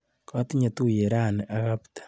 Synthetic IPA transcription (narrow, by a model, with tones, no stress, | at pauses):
ka˦ti˦ɲa˨tu˦je˨ɾa˦˨ne˨ʔaɣaptḁ˨